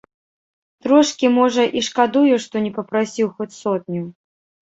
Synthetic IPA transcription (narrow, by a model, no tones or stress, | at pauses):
t̪ɾɔʂkʲimɔʐɐʔiʂkad̪ujuʂt̪ɔnʲɛpɐpɾasʲiwxɔt͡sʲsɔt̪̚nʲu